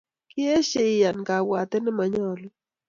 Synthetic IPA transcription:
kɪ˦e˦ʃe˦ɪ˨ja˨nka˨wa˨t̪ɛ˦nɛ˦ma˨ɲɔ˦l

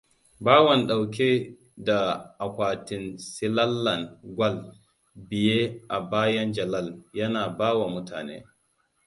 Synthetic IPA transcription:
baː˦wɐ˨nɗa˨wkʲe˦ | da˨ʔa˨kʷaː˨ti˨nsi˦la˦lːɐ˨nɡʷa˦l | bi˨je˦ʔa˨baː˦jɐ˦nd͡ʒɐ˨la˦˨ljɐ˦naː˨baː˦wa˨mʊ˦tʰa̰ː˨nḛː˦

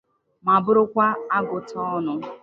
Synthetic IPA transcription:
ma˨bʊ˦ɾʊ˦kʷa˦a˦ɡʊ˨tɔ˦nʊ˨

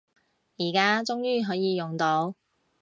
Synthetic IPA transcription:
jiː˨˩kaː˥t͡sʊ˥ŋjyː˥ɦɔː˨˥jiː˨˧jʊ˨ŋt̪o˨˥w

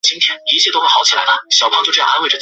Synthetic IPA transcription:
t͡ɕi˥ŋt̪ʰjɛ˥ni˧˥t͡ɕʰjɛ˥˩t̪o˥ʊxe˥˩xɑ˧˥ʊt͡ɕʰi˨˩a˧˥d̪ə˥ɕjɑ˨˩ʊpʰɑ˥ŋt͡ɕo˥˧ʈ͡ʂ̩˥˩˥a˥we˥˩ɪʈ͡ʂə˨˩

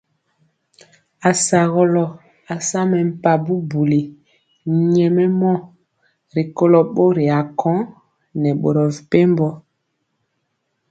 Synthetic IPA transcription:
a˨sa˨ɣɔ˦lɔ˨ | a˨sa˦mɛ˨m̩˨pa˨bu˦bu˨li˨ | ɲɛ˨mɛ˦mɔ˦ | ɾi˨ko˦lɔ˨ɓo˦ɾi˨a˨kʰɔ̃˦ | nɛ˨ɓo̰˨ɾɔ˨vi˨pe˦mbɔ˦

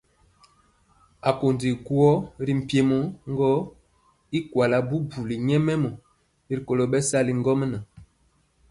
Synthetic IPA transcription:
a˨ko˨ndi˨ku˦ɔ˦ɾi˦m̩˨pje˦mo˦ŋ˦ɡɔ˦ | i˦kwa˨la˨bu˦bu˨li˨ɲɛ˦mɛ˦mɔ˨ | i˦ɾi˨ko˨lo˨bɛ˦sa˦li˦ŋ˦ɡɔ˦m˦na˨

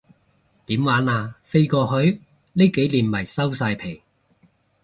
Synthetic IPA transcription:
t̪iː˨˥mwaː˨˥naː˧fe˥jkɔː˧hɵ˨˥ɥ | ne˥jke˨˥jliː˨˩nmɐ˨˩jsɐ˥wsaː˧jpʰe˨˩j

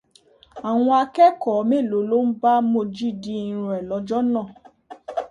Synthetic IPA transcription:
a˨w̃ɔ̃˧a˧kɛ˦kɔ˨˦me˦˨lo˨˦lo˦m̩˦ba˦mo˧˨d͡ʒi˦di˧˦ĩ˧ɾ̃ɔ̃˨ɛ˨lɔ˨˧d͡ʒɔ˦nã˦˨

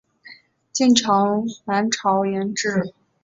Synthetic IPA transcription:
t͡ɕɛ˥˩nʈ͡ʂʰɑ˧˥ŋna˧˥nʈ͡ʂʰɑ˧˥ʊjɛ˧˥nʈ͡ʂɻ̩˥˩

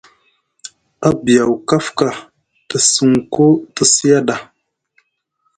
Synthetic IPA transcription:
a˦bi˨ja˨wka˦fka˨ | tə˨sə˨ŋ˨ko˦tə˨si˦ja˦ɗa˨

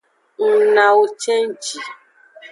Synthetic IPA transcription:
ŋ̩˨na˨o˨t͡ʃe˦n̩˦t͡ʃi˨

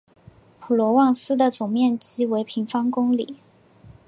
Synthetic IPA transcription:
pʰu˨˩lwɔ˧˥wɑ˥˩ŋsɹ̩˥d̪ə˨t͡sʊ˨˩ŋmjɛ˥˩nt͡ɕi˥we˧˥ɪpʰi˧˥ŋfɑ˥ŋkʊ˥ŋli˨˩˦

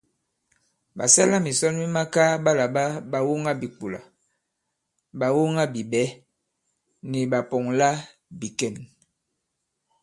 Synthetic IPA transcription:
ba̰˨sɛ˦la˦mi˨sɔ˦nmi˦ma˦ka˦ba˦la˨ba˦ba˨wo˦ŋa˦bi˨k͡pu˨la̰˨ | ba˨wo˦ŋa˦bi˨bɛ˨˦ | ni˨ba˨pɔ˨ŋla˦ | bi˨kɛ˦˨n

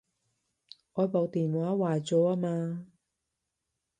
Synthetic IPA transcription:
ʔɔː˨˧jpo˨wt̪iː˨nwaː˨˥waː˨˩jt͡sɔː˨˧˥aː˧˥maː˧

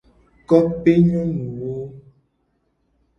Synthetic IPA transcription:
kɔ˦pe˦ɲɔ̃˦nu˨wo˦

